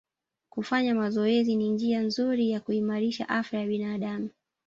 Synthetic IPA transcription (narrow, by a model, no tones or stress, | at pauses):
kufaɲamazɔɛzinind͡ʒianzuɾijakuimaɾiʃa̰ʔafajaɓinaːɗamu